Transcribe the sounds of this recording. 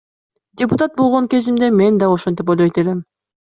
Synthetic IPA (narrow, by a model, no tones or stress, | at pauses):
dʲɪpʊt̪at̪̚bo̞lˠʁo̞ŋkʲe̞zimd̪eme̞nd̪ɑoʃo̞nt̪ipolʲˠejt̪ele̞m